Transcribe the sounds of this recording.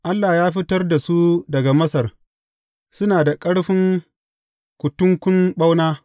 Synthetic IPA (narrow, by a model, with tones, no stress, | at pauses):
ʔa˦lːaː˨jaː˦ɸɪ˦tɐ˦rda˨su˦dɐ˨ɡa˨mɐ˦sɐ˨r | sʊ˦naː˨da˨kʼɐ˦ɽɸɪ˦ŋ | kʷʊ˨tʊ˦ŋkʷʊ˦mɓa˦wnaː˦